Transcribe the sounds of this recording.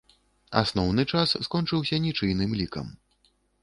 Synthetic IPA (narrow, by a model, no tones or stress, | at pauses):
a̰snɔwnɨt͡ʂasːkɔnt͡ʂɨwsʲɐnʲit͡ʂɨjnɨmlʲikɐ̰m